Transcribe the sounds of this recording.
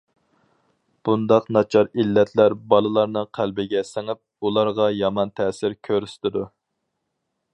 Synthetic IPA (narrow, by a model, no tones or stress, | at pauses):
b̥und̪ɑqnɑt͡ʃʰɑɾilːɛt̪ʰlæɾbɑlˠɨlˠɑɾnɨqʰælbɪɡʲɛsɪŋɪp̚ulˠɑɾʁɑjɑmɑnt̪ʰɛsɪɾkʲʰøɾyst̪ɪd̪u